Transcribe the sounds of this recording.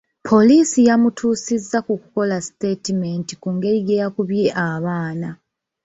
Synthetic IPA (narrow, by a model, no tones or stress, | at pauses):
pʰo̞liːsijamutʰuːsizːakukuko̞lasite̞timentikuŋɡe̞ɾiɡeɾakuβje̞ʔaβaːna